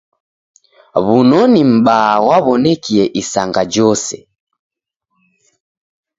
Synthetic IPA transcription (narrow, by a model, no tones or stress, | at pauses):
βunɔnim̩ɓaːwaβɔnɛkiɛʔisaŋɡad͡ʒɔsɛ